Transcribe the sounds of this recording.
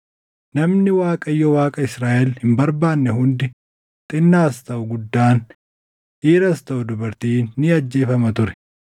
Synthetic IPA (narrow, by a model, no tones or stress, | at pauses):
nɐmnɪwaːkʼɐjːɔwaːkʼɐɪsɾaːʔɛlhɪmbɐɾbaːnːɛhʊnd̪ɪ | t̪ʼɪnːaːst̪ɐʔʊɡʊd̪ːaːn | ʔiːɾɐst̪ɐʔʊd̪ʊbɐɾt̪iːnːɪɐd͡ʒːe̞ːfɐmɐt̪ʊɾɛ̥